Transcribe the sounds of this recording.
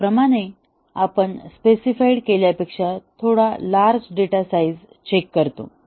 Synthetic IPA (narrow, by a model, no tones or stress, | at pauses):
pɾəmaɽ̃e | apəɳspesifaiɽkeljapekʂat̪ʰoɽalaɾd͡zɖeʈasaid͡z | t͡ɕekːəɾt̪o̰